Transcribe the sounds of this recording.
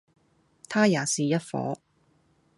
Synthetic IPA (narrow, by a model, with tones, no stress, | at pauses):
t̪ʰaː˥jaː˨˩siː˨jɐ˥t̚fɔ̰ː˨˥